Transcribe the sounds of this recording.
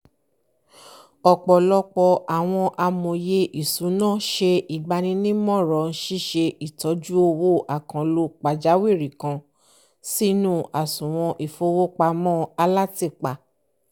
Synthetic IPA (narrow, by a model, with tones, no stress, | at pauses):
ɔ˨k͡pɔ˨lɔ˧k͡pɔ˧a˨w̃ɔ̃˧ʔa˧mõ˨je˧ʔi˨sũ˨˦nã˦˨ʃe˧i˨ɡ͡ba˧nĩ˧˦nĩ˦mɔ̃˦˨ɾɔ˨n̩˦ʃi˦ʃe˧ʔi˨tɔ˨˦d͡ʒu˦o˧wo˦ʔa˨kã˨˦lo˧k͡pa˨d͡ʒa˨˦wi˦˨ɾi˨kã˧ | si˦nũ˦ʔa˨sũ˨w̃ɔ̃˧ʔi˨fo˧wo˦k͡pa˧mɔ̃˦a˧la˦ti˦˨k͡pa˨˧